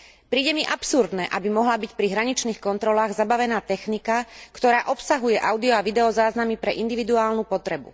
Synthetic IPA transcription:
pɾiːɟɛmiʔapsuɾd̪nɛʔabimɔɦlabicpɾiɦɾaɲit͡ʃniːxkɔnt̪ɾɔlaːɣzabaʋɛnaːt̪ɛxnikakt̪ɔɾaːʔɔpsaɦujɛʔaʊd̪iɔaʋid̪ɛɔzaːznamipɾɛʔind̪iʋid̪uaːlnupɔt̪ɾɛbṵ

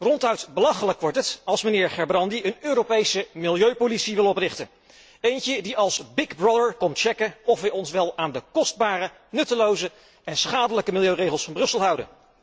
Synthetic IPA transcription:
rɔntœɥtbəlɑχələkʋɔɹtətɑlˠsmənɪːɹχɛɹbrɑndiənøːropejsəmɪlˠjøɥpolitsiʋɪlˠɔprɪχtən | ejncədiɑlˠsbɪɡbrɔdəɹkɔmt͡ʃɛkəɔfʋɛjɔnsʋɛlˠaːndəkɔsd̚baːrə | nɵtəlowzə | ɛnsχaːdələkəmɪlˠjøɥrejχəlˠsfɑnbrɵsəlˠɦʌwdə̰n

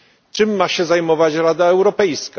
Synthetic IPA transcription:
t͡ʂɘmːaɕɛzajmɔvat͡ɕɾad̪aɛwɾɔpɛjsk

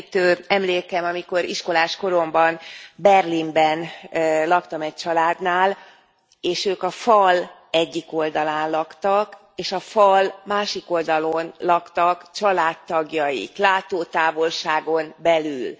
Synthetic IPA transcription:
t̪øːɛmleːkɛmɒmiko̞ɾiʃko̞laːʃko̞ɾo̞mbɒnbɛrlimbɛnlɒkt̪ɒmɛc̚t͡ʃɒlaːd̪naːl | eːʃøːkɒfɒl | ɛɟːiko̞ld̪ɒlaːnlɒkt̪ɒk | eːʃɒfɒlmaːʃiko̞ld̪ɒlo̞nlɒkt̪ɒkt͡ʃɒlaːt̪ːɒɡjɒjḭklaːt̪oːt̪aːvo̞lʃaːɡo̞nbɛlyl

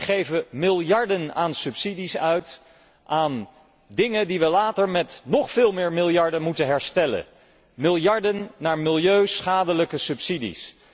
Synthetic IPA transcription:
χejvəmɪlˠjɑɹdənaːnsɵpsidisœɥt | ʔaːn | dɪŋədiʋəlaːtəɹmɛtnɔχfɪːlˠmɪːɹmɪlˠjɑɹdəmutənɦɛɹstɛlə̰ | mɪlˠjɑɹdənːaːɹmɪlˠjøɥsχaːdələkəsɵpsidḭs

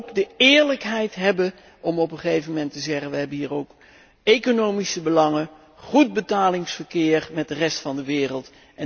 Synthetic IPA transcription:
kdəɪːɹləkɦɛjtɦɛbə | ʔɔmɔpəχejvəmɛntəzɛχənʋəɦɛbənɦiːɹowk | ejkonowmisəbəlɑŋə | χud̚bətaːlɪŋsfəɹkɪːɹmɛt̚dərɛstfɑndəʋɪːrəlˠt | ʔɛ

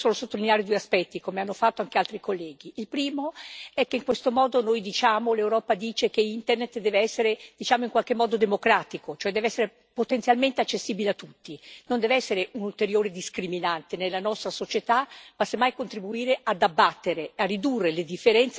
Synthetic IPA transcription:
soːnosot̪ːolineaɾed̪ueaspɛt̪ːikomeanːofat̪ːoaŋkealt̪ɾikolːɛːɡiilpɾiːmoɛkːeiŋkwest̪omɔːd̪onojd̪it͡ʃaːmolewɾɔːpad̪iːt͡ʃekeint̪ernet̪d̪ɛːveɛsːeɾed̪̥it͡ʃaːmoiŋkwalk̟emːɔːd̪od̪emokɾaːt̪ikot͡ʃoɛd̪ɛːveɛsːeɾe | pot̪ent̪sjalment̪eat͡ʃːesːiːbileat̪ːut̪ːinond̪ɛveɛsːeɾeunult̪eɾjoːɾed̪iskɾiminant̪enelːanɔst̪ɾasot͡ʃet̪amasemːajkont̪ɾibuiːɾead̪abːat̪ːeɾearːid̪urːeled̪ifːeɾɛnt̪s

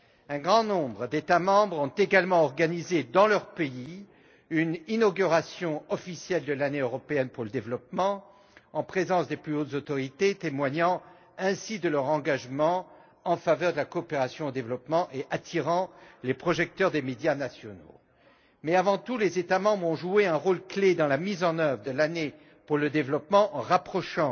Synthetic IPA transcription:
ɛ̃ɡʁɑ̃nɔ̃bʁəd̪et̪amɑ̃bʁɔ̃t̪eɡalmɑ̃ɔʁɡanized̪ɑ̃lœʁpei | yninɔɡʲyʁasjɔ̃ɔfisjɛld̪əlaneøʁɔpeɛnpuʁləd̪evlɔpmɑ̃ | ɑ̃pχezɑ̃sd̪eplyot̪zot̪ɔʁit̪et̪emwaɲɑ̃ | ɛ̃sid̪əlœʁɑ̃ɡaʒmɑ̃ | ɑ̃favœʁd̪əlakoɔːpeʁasjɔ̃od̪evlɔpmɑ̃ʔeʔat̪ʰiʁɑ̃lepχɔʒɛk̚t̪œʁd̪emed̪janasjɔno̰ | mɛavɑ̃t̪ulezet̪amɑ̃bʁɔ̃ʒueɛ̃ʁolkled̪ɑ̃lamizɑ̃nœvʁəd̪əlane | puʁləd̪evlɔpmɑ̃ʔɑ̃ʁapχɔʃɑ̃

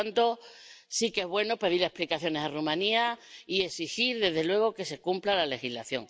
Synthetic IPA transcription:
nt̪o̞sike̞zβwe̞nope̞ðiɾe̞hplikaθjone̞sarumãniaie̞sixiɾðe̞zðe̞lwe̞ɣ̞o̞ke̞se̞kumplalale̞xilaθjo̞̰ŋ

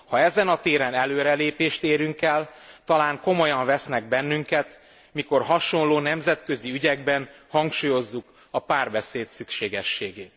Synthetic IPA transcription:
hɒɛzɛnɒt̪eːɾɛnɛløːɾɛleːpeːʃt̪eːɾyŋkɛlt̪ɒlaːŋko̞mo̞jɒɱvɛsnɛɡ̚bɛnːyŋkɛt̪ | miko̞rɦɒʃo̞nloːnɛmzɛt̪kø̞ziyɟɛɡ̚bɛnhɒŋkʃuːjo̞zːuk | ɒpaːrbɛseːt̪sykʃeːɡɛʃːeːɡeːt̪

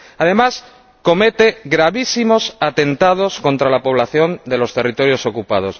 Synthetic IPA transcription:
að̞e̞mas | ko̞me̞t̪e̞ɣɾaβisimo̞sat̪e̞nt̪að̞o̞sko̞nt̪ɾalapo̞β̞laθjo̞nd̪e̞lo̞st̪e̞rit̪o̞ɾjo̞so̞kupað̞o̞s

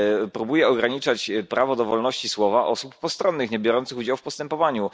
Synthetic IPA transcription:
pɾubujɛɔɡɾaɲit͡ʂat͡ɕpɾʔavɔd̪ɔvɔlnɔɕt͡ɕiswɔvaʔɔsuppɔst̪ɾɔnːɘxɲɛbʲjɔɾɔnt̪sɘxud͡ʑawfpɔst̪ɛmpɔvaɲu

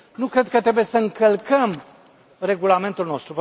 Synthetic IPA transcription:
nukɾe̞d̪̚kət̪ɾe̞bujesəɨŋkəlkəm | ɾe̞ɡulame̞nt̪ulno̞st̪ɾup

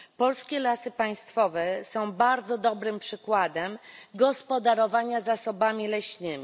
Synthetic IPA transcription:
pɔlskʲɛlasɘpaj̃st̪fɔvɛsɔ̃w̃baɾd̪zɔd̪ɔbɾɘmpʂɘkwad̪ɛmɡɔspɔd̪aɾɔvaɲazasɔbamʲilɛɕnɘmʲi

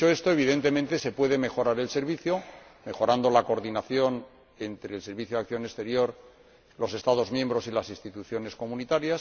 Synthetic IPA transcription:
oe̞st̪oe̞β̞iðe̞nt̪emẽ̞nt̪e̞se̞pwe̞ð̞e̞me̞xo̞ɾaɾe̞lse̞ɾβiθjo̞me̞xo̞ɾand̪o̞lako̞ɾðinaθjo̞n | e̞nt̪ɾe̞ːlse̞ɾβiθjoakθjo̞ne̞st̪e̞ɾjo̞ɾ | lo̞se̞st̪aðo̞zmjẽ̞mbɾo̞silasinst̪it̪uθjo̞ne̞sko̞munit̪aɾjas

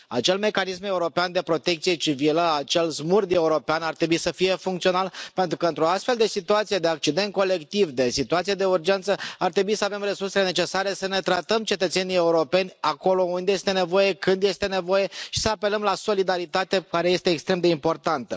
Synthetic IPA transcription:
a̰t͡ʃe̞lme̞kanis̬me̞uɾo̞peand̪e̞pɾo̞t̪e̞k̚t̪sije̞t͡ʃiviləat͡ʃe̞lzmurd̪e̞uɾo̞peanart̪ɾe̞buisəfije̞fuŋkt̪sio̞nalpe̞nt̪ɾukəɨnt̪ɾo̞ast̪fe̞ld̪e̞sit̪uat̪sijed̪e̞ak̚t͡ʃid̪e̞nt̪̚ko̞le̞kt̪ivd̪e̞sit̪uat̪sijed̪e̞urd͡ʒe̞nt̪səart̪ɾe̞buisəave̞mre̞surselene̞t͡ʃe̞saɾe̞səne̞t̪ɾat̪əmt͡ʃe̞t̪ət̪se̞nije̞uɾo̞pe̞nʲako̞lo̞und̪eje̞st̪e̞ne̞vo̞je̞kɨnd̪je̞st̪e̞ne̞vo̞je̞ʃi̥səape̞ləmlaso̞lid̪aɾit̪at̪e̞kaɾe̞je̞st̪eːkst̪ɾe̞md̪eimpo̞rt̪ant̪ə

